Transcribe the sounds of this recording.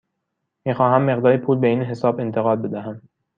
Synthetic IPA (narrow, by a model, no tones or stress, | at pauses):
miːxɒːɦæmːeɣd̪ɒːɾepʰuːlbeiːnɦe̞sɒːbe̞nt̪ʰeɣɒːd̪̚be̞d̪æɦæm